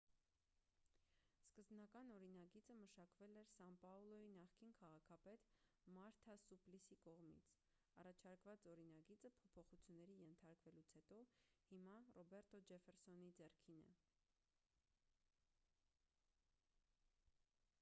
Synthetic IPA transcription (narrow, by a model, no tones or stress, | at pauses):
skəzbnɑkɑnɔɾinɑɡit͡səməʃɑkvɛlɛɾsɑmpɑulɔinɑχkinkʰɑʁɑkʰɑpɛt̪mɑɾt̪ʰɑsuplisikɔʁmḭt͡sʰ | ɑrɑt͡ʃʰɑɾkvɑt͡sɔɾinɑɡit͡səpʰɔpʰɔχut͡sʰjunːɛɾijɛnt̪ʰɑɾkvɛlut͡sʰhɛt̪ɔhimɑrɔbɛɾt̪ɔd͡ʒɛfɛɾsɔnid͡zɛrkʰinə̰